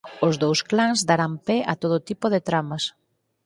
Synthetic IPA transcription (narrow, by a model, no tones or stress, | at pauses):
ʊzðowsklaŋzd̪aɾampɛat̪oðot̪ipoðɪt̪ɾamɐs